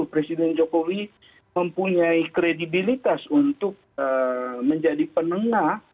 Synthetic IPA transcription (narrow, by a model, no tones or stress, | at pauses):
pɾesidɛnd͡ʒokowi | məmpuɲaikɾedibilit̪asunt̪ʊk̚əməɲd͡ʒadipənəŋah